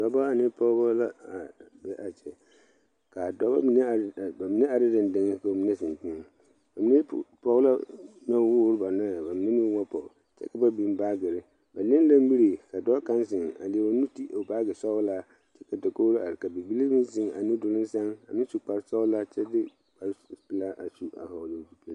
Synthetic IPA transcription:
d̥ɔ˨˦ba˦a˨nɪ̃˦pʰɔ˦bɔ˦la˦a˨bɛ˦ʔa˨t͡ʃʰɛ˨ | kʰa˨dɔ˦ba̰˦mĩ˦n˦˨ba˨mĩ˦nɛ̃˦a˨dɪ˦dɪ̃˨n˨dɪ̃˦ŋ˦kʰa˨wo˨mĩ˦nɛ̃˦sɪ̃˨n˨tĩ˦n | ba˨mĩ˦n˦pʰɔ˦wla˦nã˦wʊ˦ɾba˨nʊ̃˦˨ba˨mɪ̃˦nɛ̃˦nũ˦wã˦pʰɔ˨ | t͡ʃʰɛ̰˦ka˦ba˦bĩ˨m˦ba˦ɡɪ˨ɾɪ˨ | ba˨nɪ̃˦n˦dã˦m˦bi˦ɾe˨kʰa˨dɔ˦kʰã˦nsɪ̃˨na̰˨lɪ˨wa˨nũ˦tʰi˦ʔa˨baː˦ɡɪ˨sɔ˦wla˦ | t͡ʃʰɛ˦kʰa˨dɔ˨kʰo˦wɾa˨ɾɪ˨ka˨be˨bi˦li˦mɪ̃˦sɪ̃˦na̰˨nʊ̃˦dʊ˨lɪ̃˦n̩˦sã˦na˨mɪ̃˦su˨k͡pa˨ɾsɔ˦wla˦t͡ʃʰɛ˦dɪ˦ | k͡pa˨ɾpi˦la˦ʔa˨su˨a̰˨hɔ˨dɪ̃˨fi˨pʰe˦

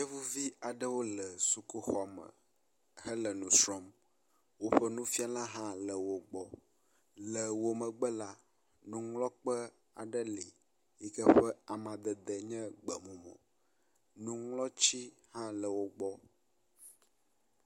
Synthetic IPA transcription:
ɲɛ˦vu˦vi˦a˨ɖə˦wo˦lə˨su˦ku˦xɔ˦mə̰˨ | hɛ˦lə˨nũ˨sɾɔ˦m | wo˦ɸə˦nũ˦fi˦a˦la˦ɦã˦lə˨wo˨ɡ͡bɔ˦ | lə˨wo˨mə̃˨ɡ͡bə˦la˦ | nũ˦ŋlɔ˦k͡pə˦ | a̰˨ɖə˦li˨ | jɛ˦kə˦ɸɸɛ˦a˨mã˨d̪ə˨d̪ə˨ɲɛ̃˦ɡ͡bə˨mũ˨mɔ̰̃˨ | nũ˦ŋlɔ˦t͡ɕi˦hã˦lə˨wo˦ɡ͡bɔ˦

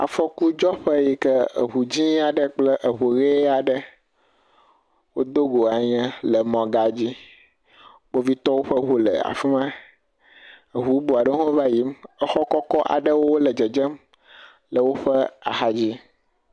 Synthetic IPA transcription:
a̰˨fɔ˦ku˦d͡ʒɔ˦ɸə˦ji˦kə˦ə̰˨ɦu˨d͡ʑĩ˦a˨ɖə˦k͡plə˦ʔə˨ɦu˨ɣe˦a˨ɖə˦ | wo˦d̪o˦ɡo˨a˨ɲɛ̃˦lə˨mɔ̃˨ɡa˦d͡ʑi˦ | bo˦vi˦t̪ɔ˦wo˦ɸə˦ɦu˦lə̰˨a̰˨fi˦mã˦ | ə˨ɦu˨˦bo˨a˨ɖə˦ɦɔ̃˦va˦ji˨˦mə˦xɔ˦kɔ˦kɔ˦ʔa̰˨ɖə˦wo˦wo˦lə˨d͡ʒə˨d͡ʒə˦m | lə˨wo˦ɸə˦a̰˨xa˦d͡ʑi˦

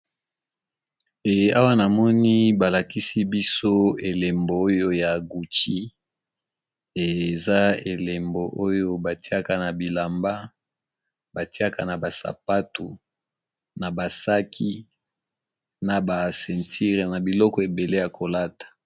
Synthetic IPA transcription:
e˨˦a˦wa˦na˨mɔ˦ni˦ba˨la˨ki˦si˦bi˦so˦e˨le˨mbo˨o˦jo˦ja˨ɡu˨t͡ʃi˦ | e˨za˦e˨le˨mbo˨ʔo˦jo˦ba˨ti˦a˦ka˨na˨bi˨la˨mba˦ | ba˨ti˦a˦ka˨na˨ba˨sa̰˨pa˦tu˨ | na˨ba˨sa˦kʰi˦ | na˨ba˨sɛ˨ntʰi˦ʁe˨na˨bi˨lɔ˦kɔ˨e˨be˨le˦ja˨kʰo˨la˦tḁ˨

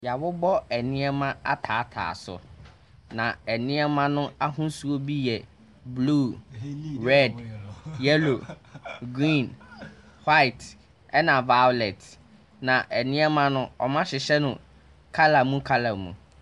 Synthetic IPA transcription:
ja˨bʊ˦bɔ˦ɛ˨nɪ̃˦ɛ˦mã˦a̰˦tʰaː˨˦tʰa̰ː˨sʊ̰˨ | nã˨ɛ˨nɪ̃˦ɛ˦mã˦nʊ̃˦a˦ɦũ˦su˦o˦bi˦jɛ˨ | bluː˦ | ɹɛ˦djɛ˦lo˨ | ɡɾĩ˦˨n | hwa˦ɪ˨t | ɛ˦nã˨va˦ʊ˦lɛ˨t | nã˨ʔɛ˨nɪ̃˦ɛ˦mã˦nʊ̃˦ɔ˨mã˦ɕɪ˨ɕɛ˦nʊ̃˨ | kʰa˦la˨mũ˦kʰa˦la˨mṵ̃˨

